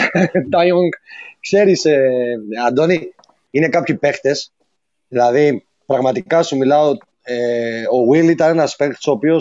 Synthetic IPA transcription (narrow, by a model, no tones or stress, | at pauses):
t̪ɐjoŋɡkse̞ɾiseɐd̪o̞ni | ine̞kɐpçipe̞xt̪e̞s | ðilɐði | pɾɐɣmɐt̪ikɐsumilɐo | eo̞ɣwilit̪ɐnenɐspekt̪so̞ːpio̞